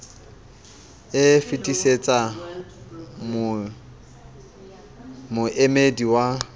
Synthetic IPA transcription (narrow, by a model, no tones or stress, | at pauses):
ɪfitʼiset͡sʼa | m | mʊʔemediwa